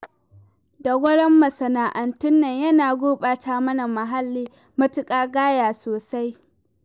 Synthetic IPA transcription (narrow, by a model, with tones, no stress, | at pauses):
da˨ɡʷɐ˦ɽɐ˦mːɐ˨sɐ˨naː˨ʔɐ˨ntʊ˦nːɐ˨ɲjɐ˦naː˨ɡʷoː˦ɓaː˨taː˦mɐ˦na˨mɐ˨ɦa˦lːiː˦ | mɐ˦tʊ˦kʼaː˦ɡaː˦jaː˨soː˨sa˦j